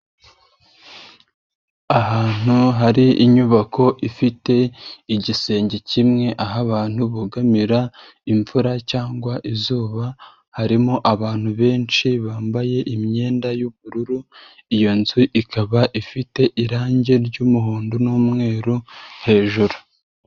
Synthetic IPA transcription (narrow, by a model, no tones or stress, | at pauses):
aɦaːn̥uɦaɾiiɲuβakʰo̞ʔifite̞iɟise̞ːɲɟecimŋe̞ʔaɦaβaːn̥huβuɡamiɾa | iɱfuɾacaːŋɡwaʔizuːβa | haɾimoʔaβaːn̥huβe̞ːnt͡ʃiβaːmbaje̞ʔimɲe̞ːndajuβuɾuɾu | ijo̞nziʔikʰaβaʔifite̞ʔiɾaːɲɟe̞ɾɟuːmuɦuːndunuːmŋe̞ːɾuhe̞ːʒuɾu